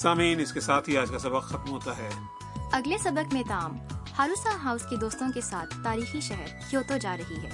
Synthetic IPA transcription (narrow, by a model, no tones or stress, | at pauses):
saːmiːnɪskesaːt̪ʰɦiaːd͡ʒkasɐbəqxɐt̪mɦoːt̪aɦɛː | ɐɡlesɐbəkmẽt̪aːmhaːɾuːsaɦaːʊsked̪oːst̪õkesaːt̪ʰːaːɾiːxiʃɐɦəɾkjoːt̪od͡ʒaːɾɐɦiɦɛ̰ː